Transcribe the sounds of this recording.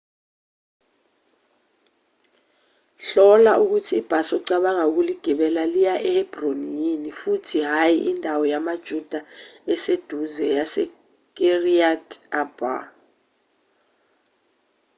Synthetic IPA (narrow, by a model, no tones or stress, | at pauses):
ɬɔlaʔuk̬utʰiːb̥ʱasɔǀaɓaŋauk̬uliɡ̥ʱiɓɛlalijaʔɛhɛb̥ronijinifutʰiɦajiʔindʱawɔjamad̥ʒ̥ʱud̥ʱaɛsed̥ʱuzɛjasɛ | k̬ʼeriadʰab̥a̰